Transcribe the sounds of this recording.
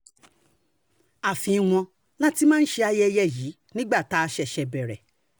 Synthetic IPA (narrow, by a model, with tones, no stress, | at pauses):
a˨fĩ˨˧w̃ɔ̃˧ | la˦ti˦mãː˦n̩˦ʃe˧a˧jɛ˦jɛ˦˨ji˨˦ | nĩ˦ɡ͡ba˦˨ta˦˧ʃɛ˧˨ʃɛ˧bɛ˨ɾɛ̰˨